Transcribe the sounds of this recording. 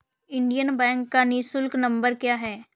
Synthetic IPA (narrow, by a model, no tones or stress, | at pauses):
ɪ̃ɳɖijənbɛ̃ːŋkːaniːsʊlknɐ̃mbəɾkjaːɦɛː